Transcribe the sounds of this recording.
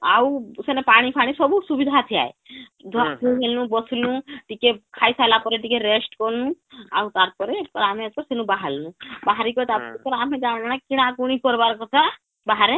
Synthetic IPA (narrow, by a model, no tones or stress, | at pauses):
a̰wsenepaɽ̃ipʰaɽ̃isɔbusubid̪ʱat̪ʰia̰e | d̪ʱt̪ʰuɦelnũbɔslũʈikekʰajsajlapɔɾeʈikeɾesʈkɔnũa̰wt̪aɾpɔɾeʈkɔɾaːmẽt̚kɔɾsenũbaɦalnũbaɦaɾikɔt̪aɾpɔepɔɾaːmẽd͡ʒanakiɽ̃akuɽ̃ikɔɾbaɾkɔt̪ʰa | baɦaɾe